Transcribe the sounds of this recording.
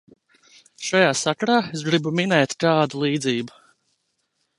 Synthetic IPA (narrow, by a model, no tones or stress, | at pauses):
ʃajaːsakaɾaːesɡɾibuminɛːt̪ʲkɑːd̪ulˠiːd̪ziːbu